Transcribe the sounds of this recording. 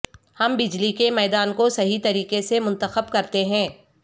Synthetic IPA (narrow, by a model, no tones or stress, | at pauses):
hɐmbɪd͡ʒlikemɛːd̪aːnkosɐɦit̪ɐɾiːkesemʊ̃nt̪əxəbkɐɾt̪eɦɛ̃ː